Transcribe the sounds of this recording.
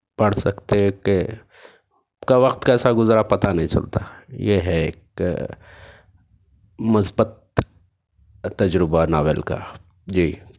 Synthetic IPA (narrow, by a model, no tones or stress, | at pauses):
pɐɽ̤sɐkt̪eke | kaʋɐkt̪kaɛːsaɡʊzɾapɐt̪anɐɦĩt͡ʃɐ̰lt̪ajeɦɛeːk | mʊsbət̪̚ | ɐd͡ʒɾɪbanaːʋeːlka̰ | d͡ʒiː